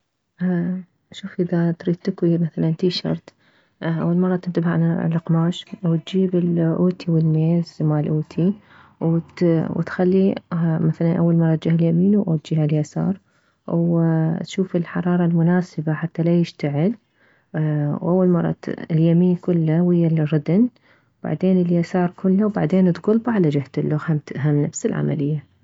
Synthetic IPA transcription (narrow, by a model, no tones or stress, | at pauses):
ʃuːfʔɪðat̪ɾiːd̪̚t̪ɪkwimaθalant̪iːʃɑ̰ɾˤt̪ | ʔa̰wːalmɑrˤːɑt̪ɪnt̪abaʕna̰laqmaːʃwt̪̚d͡ʒiːbɪlʔoːt̪ʰiwɪlmeːzmaːlʔoːt̪ʰi | wt̪wt̪xalːimaθalanʔawːalmɑrˤːɑt̪d͡ʒɪhɪljamiːnʔat̪d͡ʒihaljasɑ̰ːɾˤ | wt̪ʃuːfɪlħɑɾˤɑːɾˤɑlmʊnaːsɪbaħat̪ːalajɪʃt̪aʕɪl | wʔawːalmɑrˤːɑ̰ɪljamiːnkʊlːawɪjːalrˤɑd̪n | wb̥a̰ʕd̪eːnɪljasɑːɾˤkʊlːawbaʕd̪eːnt̪ɣʊlbʕalad͡ʒɪht̪ɪlːʊxhamt̪ɪʔɦamnafsɪlʕa̰ma̰lɪjːa